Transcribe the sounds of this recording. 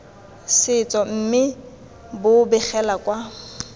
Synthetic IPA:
sɪt͡sʼɔm̩mɪ | bʊbɛχɛlakʼwa

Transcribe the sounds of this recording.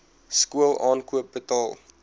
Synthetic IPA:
skuəlˠɑːnkuəp̚bətɑːlˠ

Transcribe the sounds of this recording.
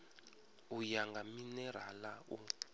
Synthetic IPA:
ujaŋɡaminɛr̤alau

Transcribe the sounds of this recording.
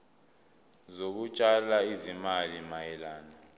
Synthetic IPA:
zok̬ut͡ʃʼalaizimalimajɛlaːna

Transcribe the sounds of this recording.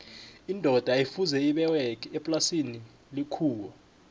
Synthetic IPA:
indʱɔd̥ʱaifuzɛiɓɛwɛk̬ʰʼɛpʼlasini | likʰuːwɔ

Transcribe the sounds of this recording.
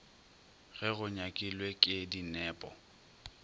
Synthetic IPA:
ɣɛɣʊɲakʼilwekʼɪdinɛːpʼɔ̰

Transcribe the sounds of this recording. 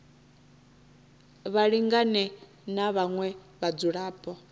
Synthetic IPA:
βaɺiŋɡanɛ | naβaŋwɛ | βad͡zuɺaːpʰʼɔ

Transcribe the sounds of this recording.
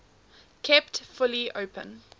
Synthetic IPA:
kʰɛptfʊliʔo̰ʊpə̰̃n

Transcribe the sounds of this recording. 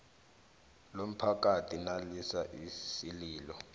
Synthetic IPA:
lom̩pʰak̬atʰinalisaʔisiliːlɔ

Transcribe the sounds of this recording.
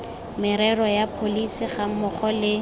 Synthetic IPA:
mɪɾɛrɔjapʰolisiχamʊχɔlɪ

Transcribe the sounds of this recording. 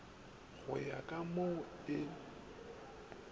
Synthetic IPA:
ɣʊ̰jakʼamodɪ

